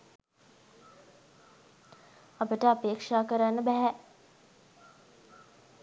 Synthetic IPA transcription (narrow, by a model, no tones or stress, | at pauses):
apəʈəapeːkʂaːkəɾanːəbɛɦɛ